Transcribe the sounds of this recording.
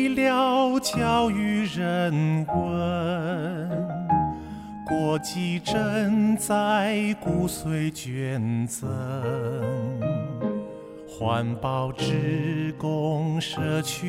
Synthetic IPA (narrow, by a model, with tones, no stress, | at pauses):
ljɑ˥˧ʊʊt͡ɕjɑ˥ʊy˧˥ɻə˧˩nkwə˥ | kwɔ˧˩t͡ɕi˥˩ʈ͡ʂə˥˧ŋt͡sa˥˧ɪku˥swe˧˥ɪt͡ɕɥɛ˧˩nt͡sə˧ | xwa˧˥npɑ˧˩ʊʈ͡ʂɻ̩˥kʊ˥˧ŋʂɤ˥˧˩t͡ɕʰy˥